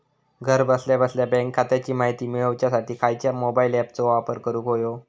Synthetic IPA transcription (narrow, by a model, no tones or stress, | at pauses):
ɡʱəɾbəsljabəsljabɛ̃ŋkʰːat̪jat͡ɕiːmaɦit̪iːmiɭəʋt͡ɕjasaʈiːkʰajt͡ɕjamobailɛp̚t͡soʋapəɾkəɾuːkɦojo